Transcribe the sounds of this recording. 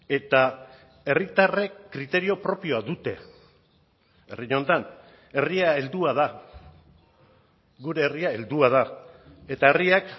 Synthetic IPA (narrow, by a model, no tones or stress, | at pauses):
e̞t̪a | e̞rit̪arekɾit̪e̞ɾio̞pɾo̞pio̞aðut̪e̞̰ | eriɲo̞nt̪an | e̞riae̞ld̪uað̞a | ɡuɾe̞ːriae̞ld̪uað̞ae̞t̪ae̞riak